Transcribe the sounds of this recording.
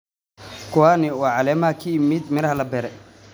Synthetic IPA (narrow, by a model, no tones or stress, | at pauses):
kʰʊwaːnɪwɑːʕɑlɛːmaːkʰimɪd̪mɪɾɐhɐlɐbɛɾɛ